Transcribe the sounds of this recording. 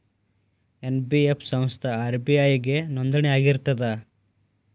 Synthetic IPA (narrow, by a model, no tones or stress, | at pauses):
enbiepʰsɐm̃st̪ʰɐːɾbiɐjɡe̞nond̪ɐɳeaːɡiɾt̪ɐd̪ɐ